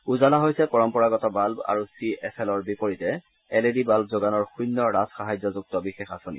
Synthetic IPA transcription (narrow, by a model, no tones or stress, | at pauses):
uzalaɦojsɛpɔɹɔmpɔɹaɡɔtɔbalba̰ɹusiɛsʰɛlɔɹbipoɹitɛ | ɛledibalb̚zoɡanɔɹxujnːɔɹazxaɦajzɔzuk̚tɔbixexasonḭ